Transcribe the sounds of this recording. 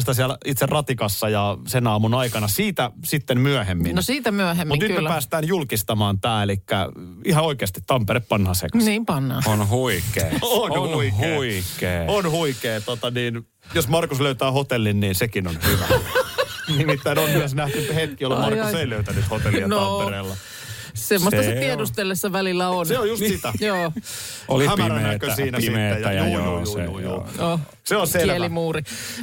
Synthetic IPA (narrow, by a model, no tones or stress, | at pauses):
st̪æs̬iælit̪serrʔɑt̪ikɑsːɑjɑsenɑːmunɑikɑnɑsiːt̪æsit̪ːemmyøhemːinnosiːt̪æmyøɦemːmut̪nymepæːst̪æːnjulkist̪ɑmɑːnt̪æːelikːæ̰ | ihɑoikeɑst̪i̥t̪ːɑmpeɾeppɑnhɑsḛkɑsniːmpɑnːɑonhuikeːonhikeːonhuikeːt̪ot̪ɑniːn | josmɑrkusløyt̪æːhot̪elːinniːnsekinonhyʋæ̰ | nimit̪ːæinonyæsnæht̪yhek̪kiolmɑrkuseiløyt̪ænyt̪hot̪eljnomereːlːɑ | semːosɑsɑtiedust̪elːesːɑʋælilːæonseojjust̪sit̪æjoː | ʔoliæmrænætkøsiːnæsieæjɑjuːouːjṵːno | seonsellimuːɾi